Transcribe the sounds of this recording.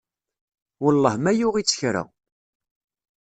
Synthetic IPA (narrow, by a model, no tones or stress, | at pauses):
wəlˤːɑhmæjʊʁit͡sːə̥çɾa̰